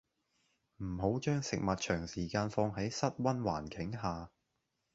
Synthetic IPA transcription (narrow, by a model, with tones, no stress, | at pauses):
m̩˨˩ɦo˨˥wt͡ʃœː˥ŋsɪ˨k̚mɐ˨t̚t͡ʃʰœː˨˩ŋsiː˨˩kaː˧nfɔː˧ŋɦɐ˨˥jsɐ˥t̚wɐ˥nwaː˨˩nkʰɪ˨˥ŋɦaː˨